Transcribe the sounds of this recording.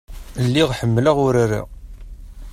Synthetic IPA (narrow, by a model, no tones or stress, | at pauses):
lːiʁħəmːlaʁʊɾaɾḭ